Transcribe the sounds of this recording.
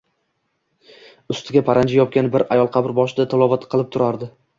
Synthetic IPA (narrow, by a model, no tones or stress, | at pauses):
ʊst̪ʰɪɡʲapʰaɾand͡ʒajɒp̚kʲanbɪɾajɒlˠqʰɑbɪɾbɒʃɪd̪at̪ʰɪlˠɒvat̪qʰɨlˠɪp̚t̪ʰʊɾaɾd̪ɪ